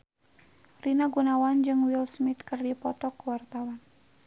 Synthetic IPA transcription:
rinaɡunawand͡ʒɨŋwilsmit̪kɨrdipɔt̪ɔkwart̪awan

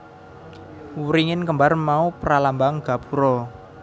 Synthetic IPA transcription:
wuɾiŋɪnkəmbarmaupəɾalambaŋɡ̥a̤puɾɔ

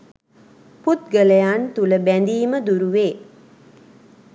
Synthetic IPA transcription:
put̪̚ɡələjant̪uləbænd̪iːməd̪uɾuʋeː

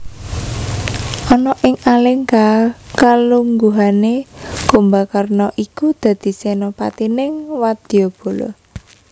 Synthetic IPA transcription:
ʔɔnɔʔɪŋalɪŋkakaluŋɡuɦanekumbakərnɔʔikud̪̥a̤d̪̥i̤sɛnopat̪inɪŋwad̪̥ijob̥o̤lɔ̰

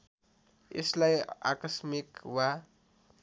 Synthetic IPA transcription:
ḛslaja̰kʌsmikwa

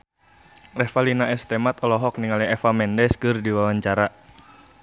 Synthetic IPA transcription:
rɛfalinaɛst̪ɛmat̪ɔlɔɦɔk̚niŋalɛɛfamɛndɛskɨrdiwawaɲt͡ʃaɾa

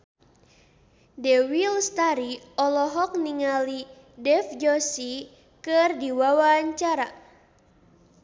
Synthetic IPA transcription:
dɛwilst̪aɾi | ɔlɔɦɔk̚niŋali | dɛfd͡ʒɔsi | kɨrdiwawaɲt͡ʃaɾa

